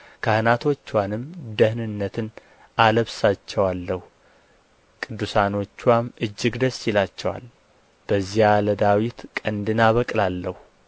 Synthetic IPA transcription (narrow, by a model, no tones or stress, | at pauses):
kʰahɨnat̪ʰo̞t͡ʃːwanɨmd̪əhnɨnːət̪ʰɨn | aləβsat͡ʃːɛwalːəhu | kʼɨd̪ːusano̞t͡ʃːwamɨd͡ʒːɨɡd̪əsːilat͡ʃːɛwa̰l | b̥əzːijaləd̪awit̪kʼənd̪ɨnaβəkʼlalːəhu